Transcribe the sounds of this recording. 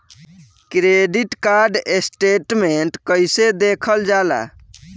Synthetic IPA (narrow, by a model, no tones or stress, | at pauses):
kɾeɖiʈkaɾɖesʈeʈmeɳʈkəjsed̪ekʰəld͡ʒala̰